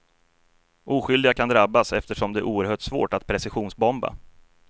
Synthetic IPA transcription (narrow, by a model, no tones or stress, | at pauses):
ʔuːɧʏld̪ɪɡakʰand̪ɾabːasɛft̪əʂɔmd̪ɛæ̰ʔuːəɾɦœːʈsvo̰ːʈat̪pʰɾɛsɪɧuːnsbɔmba̰